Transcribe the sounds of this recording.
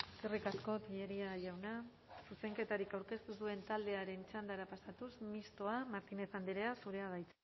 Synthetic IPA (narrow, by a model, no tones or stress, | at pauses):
eskerikasko̞t̪iʎeɾiaʝawna | suse̞ŋke̞t̪aɾikawɾke̞st̪usue̞nt̪ald̪e̞aɾe̞nt͡ʃand̪aɾapasat̪usmist̪o̞amaɾt̪ine̞θand̪eɾe̞asuɾe̞aβ̞ajt͡s